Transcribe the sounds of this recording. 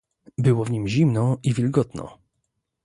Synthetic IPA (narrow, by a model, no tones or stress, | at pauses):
bɘwɔvɲimʑimnɔivʲilɡɔt̪nɔ̰